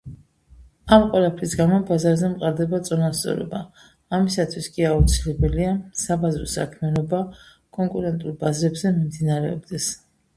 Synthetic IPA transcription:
amqʼwɛlˠapʰɾisɡamɔbazaɾzɛmqʼaɾd̪ɛbat̪sʼɔnast̪sʼɔ̰ɾɔ̰baː | misat̪ʰwiskʼiaut̪sʰilɛbɛliasabazɾɔsa̰kʰmianɔba | kʼɔŋkʼuɾɛnt̪ʼulˠbazɾɛbzɛmimd̪inaɾɛɔ̰bd̪ɛs

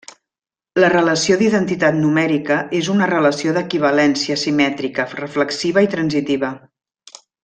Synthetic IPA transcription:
lərələsioðiðənt̪it̪at̪numɛɾikəezunərələsioðəkiβ̞əlɛnsiəsimɛt̪ɾikərəfləksiβ̞əit̪ɾənzit̪iβə

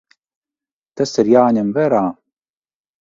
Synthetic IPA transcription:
t̪ɐsɨɾjaːnʲemvɛɾaː

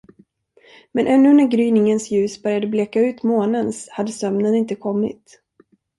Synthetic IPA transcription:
mɛnʔɛnːɵnæɾɡɾyːnɪŋənsjʉ̟ːsbœɾjad̪əblɛkːaʉ̟ːt̪moːnənshad̪ːəsœmnənɪnt̪əkʰɔmːɪ̰t̪

